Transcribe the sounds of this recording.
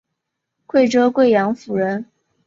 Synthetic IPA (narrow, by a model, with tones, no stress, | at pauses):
kʰwe˥˩ɪʈ͡ʂɤ˥kwe˥˩ɪjɑ˧˥ŋfu˨˩ɻə˧˥n